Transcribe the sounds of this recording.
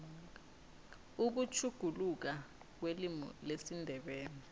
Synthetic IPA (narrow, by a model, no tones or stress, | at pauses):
uk̬ut͡ʃʰuɡ̥ʱuluk̬a | k̬welimɔ̰lesindʱɛɓɛːnɛ